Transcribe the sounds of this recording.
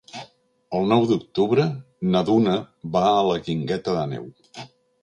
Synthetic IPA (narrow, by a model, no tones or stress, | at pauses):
əlˠnɔwd̪uk̚t̪uβɾə | nəðunəβaələɣiŋɡɛt̪əðənɛ̰w